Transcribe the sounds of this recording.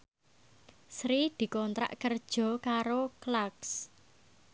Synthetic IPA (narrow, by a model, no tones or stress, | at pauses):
sɾid̪̥i̤kɔnt̪ɾa̰ʔkərd̥ʒ̥ɔ̤kaɾoklaks